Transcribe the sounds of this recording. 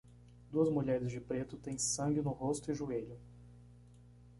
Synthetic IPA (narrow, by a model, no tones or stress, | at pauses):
d̪uɐzmuʎɛɾɪzd͡ʒɪpɾet̪ʊt̪ẽj̃sɐ̃ŋɡɪnʊɦost̪ʊɪʒueʎʊ